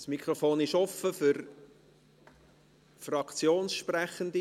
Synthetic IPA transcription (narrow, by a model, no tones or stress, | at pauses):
smikʰɾofoːnɪʃɔfəfʏɾ | frɑkt͡sjoːnsʃpræχənd̪i